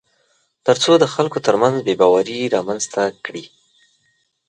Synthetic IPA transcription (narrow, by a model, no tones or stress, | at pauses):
t̪əɾt͡sod̪əxalkot̪əɾmanzbebɑwaɾiɾɑmanzt̪akɽi